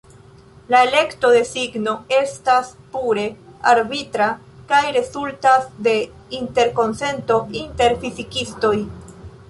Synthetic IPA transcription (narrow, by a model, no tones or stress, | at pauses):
lae̞le̞kto̞de̞siɡno̞e̞staspuɾe̞aɾbitɾa | kajɾe̞zultasde̞ | inte̞ɾko̞nse̞nto̞inte̞ɾfizikisto̞j